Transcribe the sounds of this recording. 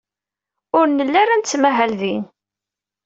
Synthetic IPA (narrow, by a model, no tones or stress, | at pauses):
ʊɾnəlːæɾænt͡sːmæɦælðin